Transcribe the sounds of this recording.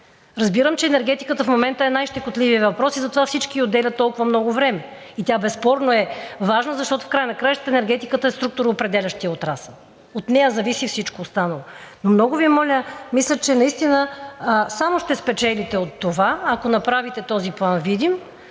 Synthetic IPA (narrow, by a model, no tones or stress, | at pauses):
ɾɐzbiɾəmt͡ʃɛɛnɛɾɡɛt̪ikət̪əfmomɛnt̪əɛnajʃt̪ɛkot̪lʲiviəvɐpɾɔsizɐt̪ovafsit͡ʃkiod̪ːɛlʲɐt̪ːɔlˠkʊvɐmnɔɡʊvɾɛmɛ | it̪ʲabɛspɔɾnoɛvaʒnəzɐʃt̪ɔt̪ʊ̥fkɾajənɐkɾajəʃt̪t̪əɛnɛɾɡɛt̪ikət̪əɛst̪ɾuk̚t̪ʊɾːpɾɛd̪ɛlʲɐʃt̪iəot̪ɾasə | ot̪nɛjəzɐvisifsit͡ʃkoːst̪anɐlˠonomnɔɡʊviɛmɔlʲəmislʲət͡ʃɛnɐist̪inəsamoʃt̪ɛspɛt͡ʃɛlʲit̪ɛot̪ːovaɐkonɐpɾavit̪ɛt̪ɔziplˠanvid̪im